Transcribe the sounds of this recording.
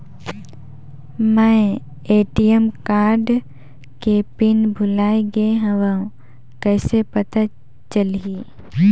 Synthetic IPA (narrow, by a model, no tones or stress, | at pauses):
mɛ̃ | eːʈijəmkaːɾɖ | kepɪnbʱʊlaːiɡəeɦə̃ʋəũ | kɛːsepət̪a | t͡ʃəliː